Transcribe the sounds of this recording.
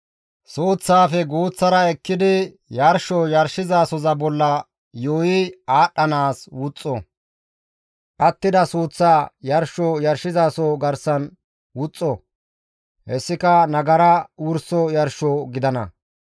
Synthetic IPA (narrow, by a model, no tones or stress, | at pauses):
soːt͡sːaːfɛɡuːt͡sːɐɾɐɛkːɪd̪ɪ | jɐɾʃɔjɐɾʃɪzaːsɔzɐbɔlːɐ | joːjɪaːɗːɐnaːswʊt͡sʼːɔ | ʔɐt̪ːɪd̪ɐsuːt͡sːaːjɐɾʃɔjɐɾʃɪzaːsɔɡɐɾsɐn | wʊt͡sʼːɔ | hɛsːɪkɐnɐɡɐɾɐwʊɾsɔjɐɾʃɔɡɪd̪ɐnɐ̰